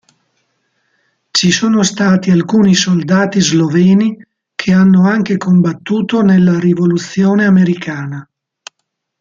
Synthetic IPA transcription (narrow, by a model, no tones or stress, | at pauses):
t͡ʃisoːnost̪aːt̪ialkuːnisold̪aːt̪izlovɛːni | kʰeanːoaŋkekombat̪ːuːt̪onelːaɾivolut̪sːjoːneameɾikaːna